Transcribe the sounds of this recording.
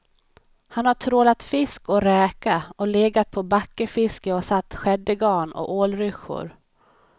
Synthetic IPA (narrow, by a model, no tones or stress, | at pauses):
hanhaʈʰɾoːlat̪fɪskɔɾɛːkaʔɔleːɡat̪̚pʰɔbakːəfɪskəɔsat̪ːɧɛd̪ːəɡɑːnɔ̰koːlɾʏɧʊ̰ɾ